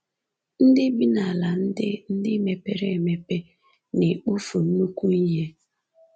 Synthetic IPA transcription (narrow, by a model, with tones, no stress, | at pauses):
n̩˦dɪ˦bi˦na˨la˨n̩˦dɪ˦n̩˦dɪ˦me˨pe˨ɾe˦e˨me˨pe˦ | ne˨k͡pu˦fu˨n̩˦nu˦kʷu˦i˦ɦe˦